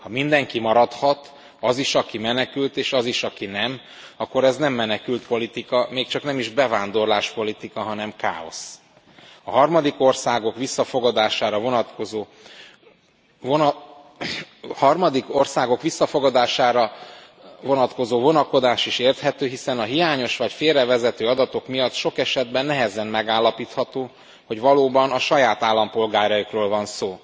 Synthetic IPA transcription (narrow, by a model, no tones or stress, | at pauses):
hɒmind̪ɛŋkimɒɾɒt̪hɒt̪ | ɒziʃɒkimɛnɛkylt̪eːʃɒziʃɒkinɛm | ɒkːo̞ɾɛznɛmːɛnɛkylt̪po̞lit̪ikɒmeːkt͡ʃɒknɛmiʒbɛvaːnd̪o̞rlaːʃpo̞lit̪ikɒɦɒnɛmka̰ːo̞̰s | ɒɦɒrmɒd̪iko̞rsaːɡo̞kʋisːɒfo̞ɡɒd̪aːʃaːɾɒvo̞nɒt̪ko̞zoː | on | hɒrmɒd̪iko̞rsaːɡo̞kʋisːɒfo̞ɡɒd̪aːʃaːɾɒ | vo̞nɒt̪ko̞zoːvo̞nɒko̞d̪aːʃiʃeːrt̪hɛt̪øːɦisɛnɒɦijaːɲo̞ʃʋɒcfeːrɛvɛzɛt̪øːɒd̪ɒt̪o̞kmijɒt̪ːʃo̞kɛʃɛd̪bɛnːɛɦɛzɛnmɛɡaːlːɒpiːt̪hɒt̪oː | ho̞ɟvɒloːbɒnɒʃɒjaːt̪aːlːɒmpo̞lɡaːɾɒjikroːlvɒnsoː